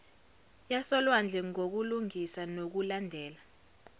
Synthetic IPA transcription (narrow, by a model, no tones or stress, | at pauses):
jasɔlwand͡ɮʱɛŋok̬uluŋisanok̬ulandʱɛːla